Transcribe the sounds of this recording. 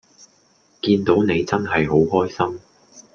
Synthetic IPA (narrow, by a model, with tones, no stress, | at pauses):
kiː˧nt̪o˨˥wne˨˧jt͡sɐ˥nɦɐ˨jɦo˨˥wɦɔː˥jsɐ˥m